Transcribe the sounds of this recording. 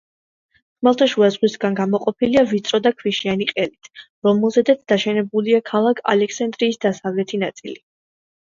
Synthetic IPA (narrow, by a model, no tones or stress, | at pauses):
χmalˠt̪ʰaʃuazʁwisɡanɡamɔqʼɔpʰiliavit̪sʼɾɔd̪akʰwiʃianiqʼɛlit̪ʰ | ɾɔmɛlˠzɛd̪at̪sʰd̪̥aʃɛnɛbuliakʰalˠakʰa̰lɛkʰsand̪ɾiːsd̪asavlɛt̪ʰinat̪sʼḭli